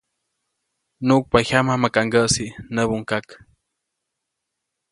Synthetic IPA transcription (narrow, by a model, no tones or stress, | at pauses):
nuʔk̚pahamamakaŋɡəʔsinəβuŋkak